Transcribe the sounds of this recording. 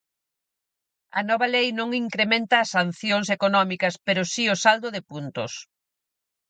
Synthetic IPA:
ɐ̰nɔβɐlejnõŋiŋkɾemẽnt̪ɐːsan̟θjoŋs̬ekonɔmikɐspeɾʊsiʊsald̪ʊðɪpunt̪ʊ̰s

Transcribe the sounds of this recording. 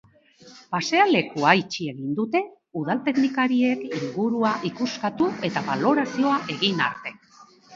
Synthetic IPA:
pase̞ale̞kuajt͡ʃie̞ɣind̪ut̪e̞ | uð̞alt̪e̞ɡnikaɾiekiŋɡuɾuaʔikuskat̪ue̞t̪aβalo̞ɾasio̞aʔe̞ɣina̰ɾt̪e̞

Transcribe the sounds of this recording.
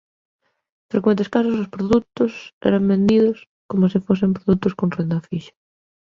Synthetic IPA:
fɾekwẽnt̪̬eskas̬os̬ospɾoðut̪ʊsɛ̰ɾambend̪iðʊs | komosifos̬empɾoðut̪ʊskonrend̪afiʃḁ

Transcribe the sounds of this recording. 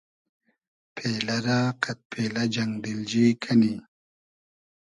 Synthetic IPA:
pʰeːlɐɾaqat̪̚pʰelad͡ʒaŋɡd̪ild͡ʑikʰani

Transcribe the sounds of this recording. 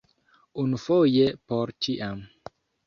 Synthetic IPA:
unufojepoɾt͡ʃiʔam

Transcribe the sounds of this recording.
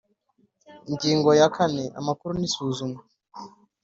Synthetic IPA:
ŋɟiːŋɡojakʰaneʔa̰makuɾunisuːzume

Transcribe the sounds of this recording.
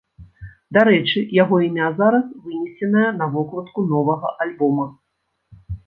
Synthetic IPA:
d̪aɾɛt͡ʂɨjaɣɔimʲazaɾɐsvɨnʲɛsʲlʲɛnɐjɐnɐvɔklˠɐt̪kunɔvɐɣɐʔalʲbɔmɐ

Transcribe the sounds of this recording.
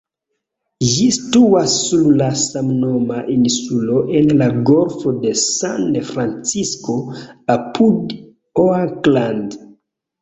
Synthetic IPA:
ʒistuasːuɾlasamno̞maʔinsulo̞ʔenlaɡo̞ɾfo̞de̞sanfɾant͡sisko̞apud | oakland

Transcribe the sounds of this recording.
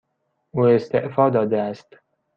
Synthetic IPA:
ʔuːest̪eʔfɒːd̪ɒːd̪eæst̪

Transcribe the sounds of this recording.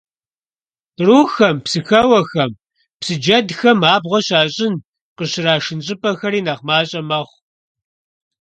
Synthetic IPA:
truːxɐmpsɨxɐwɐxɐm | psɨd͡ʒɐdxɐmaːbʁʷɔɕaːɕʼɪn | qəɕɪɾaːʂɨnɕʼɪpʼɐxɐɾiːnɐχmaːɕʼɐmɐχʷ

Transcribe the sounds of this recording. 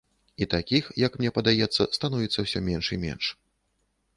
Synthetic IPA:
it̪akʲixjɐkmnʲɛpɐd̪ajɛt̪sːɐ̰st̪anuvʲɛt̪sːɐwsʲɔmʲɛnʂimʲɛ̰nʂ

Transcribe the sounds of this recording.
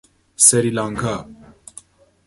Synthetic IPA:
sɛɾilaːŋkʰa

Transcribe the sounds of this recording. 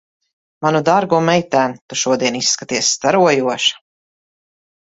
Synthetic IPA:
manud̪aɾɡumɛjt̪æːnt̪uʃuɔd̪iɛnisːkat̪iɛsːt̪aɾuɔjuɔʃḁ

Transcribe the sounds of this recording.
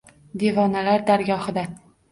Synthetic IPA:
d̪e̞vɒnalaɾd̪aɾɡʲɒhɨd̪a

